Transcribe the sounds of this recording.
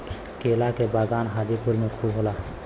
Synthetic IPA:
keːlakebaːɡaːnɦaːd͡ʒipʊɾmẽkʰuːbɦoːlaː

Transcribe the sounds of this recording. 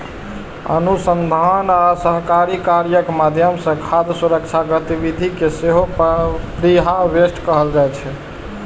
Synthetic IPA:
ə̰nusənd̪ʱanasəɦkaɾikaɾjəkmad̪ʱjəmsə̃kʰad̪suɾəkt͡ʃʰaɡət̪ibid̪ʱikeseɦopɾiɦaʋesʈkəɦəld͡ʒajt͡ʃʰɛ

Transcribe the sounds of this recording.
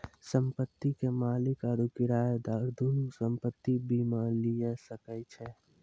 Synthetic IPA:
sə̃mpət̪ːikemaːlɪkaɾukɪɾaːjd̪aːɾd̪onusə̃mpət̪ːibʱimalijesəkət͡ʃʰɛ

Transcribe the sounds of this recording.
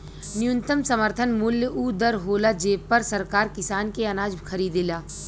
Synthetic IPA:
nɪjʊ̃nt̪əmsɐməɾt̪ʰənmʊljəʔuːd̪əɾɦoːlad͡ʒeːpːɐɾsɐɾkaːɾkɪsaːnkeɐnaːd͡ʒbʱixʰɐɾiːd̪ɪlaː

